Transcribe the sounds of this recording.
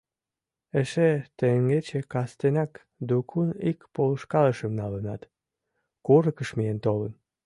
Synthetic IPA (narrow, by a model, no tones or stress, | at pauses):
eʃet̪eŋɡet͡ɕekɑst̪enɑk | d̪ukʰunikpoləʃkɑləʃəmnɑlənɑt̪ | kuɾəkəʃmijent̪olən